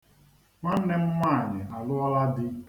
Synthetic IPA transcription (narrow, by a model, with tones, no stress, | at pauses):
ŋʷa˦n̩˦ne˦m̩˦mʷa˦˨ɲɪ˨ʔa˨lʊ˦ɔ˦la˦dɪ˦